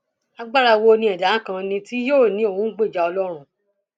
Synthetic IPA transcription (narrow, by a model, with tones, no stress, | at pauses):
a˧ɡ͡ba˦ɾa˧wo˧nĩ˧˦ɛ˨da˨˦kã˧nĩ˧ti˦joː˦˨nĩ˨˦o˦˨wũ˨˦ɡ͡be˦˨d͡ʒa˧ɔ˧lɔ˦ɾ̃ũ˦